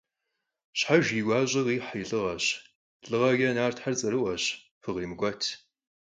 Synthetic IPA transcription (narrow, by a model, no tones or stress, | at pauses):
ɕħaʒiːɡʷaːɕʼɪʁiːħjɬʼɨʁɐɕ | ɬʼɨʁɐɡɐnaːrtħart͡sʼɐɾɨʔʷɐɕ | fɨʁiːmɨɡʷɔtʰ